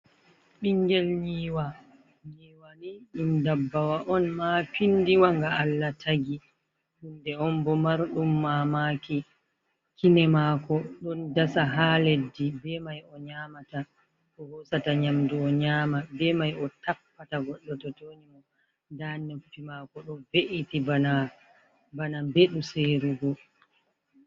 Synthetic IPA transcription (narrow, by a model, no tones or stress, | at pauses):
ɓiŋɡɛlɲiːwa | ɲiːwaniɗumdabːawaʔɔnmapindiwaŋɡaalːatʰaɡi | ɗundɛɔnbɔmaɾɗumːamaːki | kʰinɛmaːkɔɗɔndasaɦaːledːibɛmajɔɲaːmata | ɗɔhɔsataɲamdiɔɲaːmabɛmajɔtapːataɡɔɗːɔtɔtoːnimɔ | daːnepːimaːkɔɗɔveʔitibana | banabeɗuseɾuɡɔ